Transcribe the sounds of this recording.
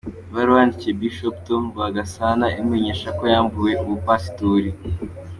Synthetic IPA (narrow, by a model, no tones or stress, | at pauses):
βaɾwandicebiʃoptomɡaɡasanaʔimiɲeʃako̞jaːmbuje̞ʔuβupasi̥toɾi